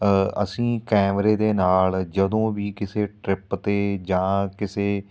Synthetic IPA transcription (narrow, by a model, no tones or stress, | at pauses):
ə̰sĩːkɛːmɾeːd̪eːnaːld͡ʒəd̪õːʋiːkɪseːʈɾɪpt̪eːd͡ʒãːkɪseː